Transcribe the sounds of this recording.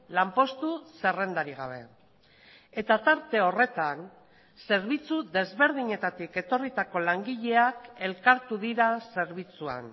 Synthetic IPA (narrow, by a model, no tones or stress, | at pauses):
lampo̞st̪use̞re̞nd̪aɾiɣ̞aβ̞e̞̰ | e̞t̪at̪aɾt̪e̞o̞re̞t̪an | se̞ɾβit͡suðe̞zβe̞ɾðiɲe̞t̪at̪ike̞t̪o̞rit̪ako̞laŋɡiʎe̞ake̞lkaɾt̪uðiɾase̞ɾβ̞it͡sua̰n